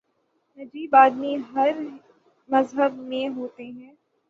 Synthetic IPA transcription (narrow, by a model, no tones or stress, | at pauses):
nɐd͡ʒiːbaːd̪miɦɐɾ | mɐzɦəbmẽɦoːt̪eɦɛ̃ː